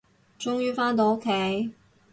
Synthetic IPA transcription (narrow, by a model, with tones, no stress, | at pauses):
t͡ʃʊ˥ŋjyː˥faː˥nt̪̬o˨˧ʊ˥kʰːe˨˥j